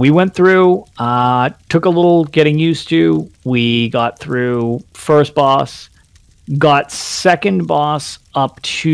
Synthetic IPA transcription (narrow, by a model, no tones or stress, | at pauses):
wiwɛ̃nθɹʉ | tʰʊkəlɪɾl̩ˠɡɛɾɪ̃ŋjʉstʰʉwiɡɑt̪̚θɹʉfɜ˞st̚b̥ɔs | ɡɑtsɛkɨ̃nbɔsʌp̚tʰ